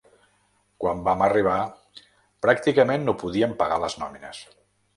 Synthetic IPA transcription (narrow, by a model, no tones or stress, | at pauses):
kwambaməriβ̞a | pɾak̚t̪ikəmenːopuðiəmpəɣaləznɔminə̰s